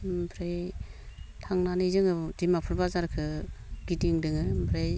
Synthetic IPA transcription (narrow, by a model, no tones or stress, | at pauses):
bʰɾej | tʰaŋnanizɯŋɯdimapʰɯɾbazaɾkʰɯɡidiŋdɯŋɯbʰɾej